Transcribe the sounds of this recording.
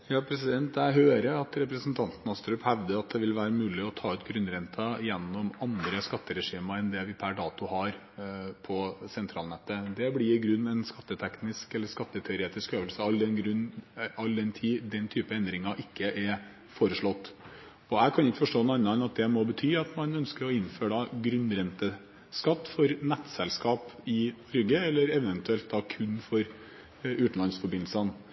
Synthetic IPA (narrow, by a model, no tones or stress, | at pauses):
jɑːpʰɾɛsɪd̪ɛnt̪æɦøːɾəɑt̪ɾɛpɾəsn̩t̪ʰɑnt̪n̩ɑst̪ɾʉphæʋd̪əɾɑt̪̚d̪ɛʋɪlʋæːɾəmʉːlɪɔt̪ʰɑːʉt̪ɡɾʉnːɾɛnt̪ʰɑɪjɛnːɔmɑnd̪ɾəskɑt̪ːəɾɛʂiːməɛnd̪ɛʋɪpʰæɖɑːt̪ʊhɑɾ | pʰɔsɛnt̪ʰɾɑːlnɛt̪ːəd̪ɛblɪɾɪɡɾʉnːɛnskɑt̪ːət̪ʰɛknɪskɛlːəskɑt̪ːət̪ʰœʏɾeːt̪ɪskøːʋəlsəɑld̪ɛnɡɾʉnɑlːd̪ɛnt̪ʰiːd̪ɛnt̪ʰyːpəɛnd̪ɾɪŋɑʔɪkːəʔɛɾ | foːɾəʂɭɔt̪ː | ɔækʰɑnɪkːəfɔʂʈoːnːɑnːəɛnɑt̪̚d̪ɛmɔbət̪ʰyːɑt̪mɑnœnskəɾɔɪnføːɖɑɡɾʉnːɾɛnt̪ə | skɑt̪ːfɔɾnɛt̪ːsɛlskɑːpɪnɔɾɡəɛlːəɾɛʋɛnt̪ʉɛlt̪̚d̪ɑkʰʉnːfɔɾ | ʉːt̪n̩lɑnsfɔɾbɪnlsən